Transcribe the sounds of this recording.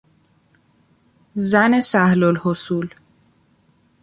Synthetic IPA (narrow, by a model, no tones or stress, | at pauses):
zænesæhlolhosuːl